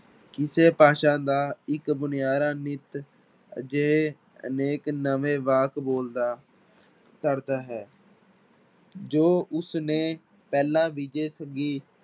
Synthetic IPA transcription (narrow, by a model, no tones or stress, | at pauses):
kɪseːpaːʃãːd̪aːɪkbʊnɪjaːɾãːnɪt̪ | d͡ʒee | ə̰neːknəʋeːʋaːkboːld̪aː | t̪əɽd̪aːɦɛː | d͡ʒoːʔʊsneː | pɛːlãːʋiːd͡ʒeːsəɡiː